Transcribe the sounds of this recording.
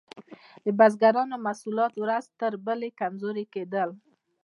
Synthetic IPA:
d̪əbazɡaɾɑnomasulɑt̪wɾazt̪əɾbəlekamzoɾeked̪əl

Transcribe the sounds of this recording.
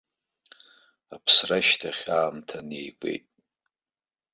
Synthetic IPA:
apʰsraʃtʰaχʲaːmtʰanejkʷʼe̞̰jtʼ

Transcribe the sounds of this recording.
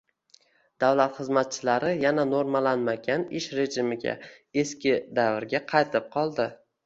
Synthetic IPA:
d̪̥avlat̪χɨzmat̪̚t͡ʃʰɪlaɾɪjananoɾmalanmaɡʲanɪʃɾe̞ʒɪmɪɡʲa̰ | e̞skʲɪd̪avɾɡʲaqʰɑjt̪ʰɪp̚qʰɒlˠd̪ɪ

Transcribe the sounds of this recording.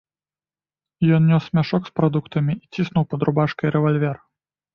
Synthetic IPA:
jɔnnʲɔsmʲaʂɔkspɾɐd̪ukt̪ɐmʲiit͡sʲisnuwpɐd̪ɾʊbaʂkɐjɾɛvalʲvʲɛr

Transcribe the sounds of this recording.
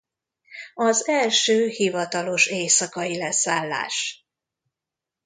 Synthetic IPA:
ɒzɛlʃøːhivɒt̪ɒlo̞ʃeːsɒkɒjilɛsaːlːa̰ːʃ

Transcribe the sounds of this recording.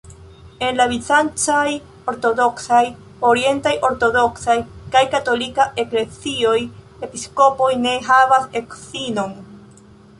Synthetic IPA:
e̞nlavit͡sant͡ʃaj | o̞ɾto̞do̞ksaj | o̞ɾie̞ntajʔo̞ɾto̞do̞ksajkajkato̞likaʔe̞kle̞t͡sio̞j | e̞pisko̞po̞jne̞ɦavase̞ksino̞n

